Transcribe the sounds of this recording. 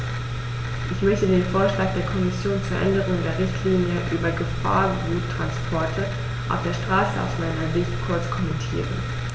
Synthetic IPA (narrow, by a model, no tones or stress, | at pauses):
ʔɪçmœçtədeːnfoːɐʃlaːk̚d̥eːɐkʰɔmɪsjoːnt͡suːɐʔɛ̰ndəʁ̞ʊŋdeːɐʁɪçtʰliːnjəʔyːbɐɡəfa̰ːɐɡuːtːʁ̥anspʰɔɐtʰə | ʔaʊfd̥eːɐʃtʁ̥aːsəa̰ʊsmaɪnɐzɪçtkʰʊɐt͡skʰɔmɛntʰḭːʁə̰n